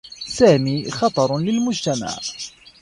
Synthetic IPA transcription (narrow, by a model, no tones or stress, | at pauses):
saːmiːxɑt̪ˤɑɾˤlɪlmʊd͡ʒt̪ama̰ʕ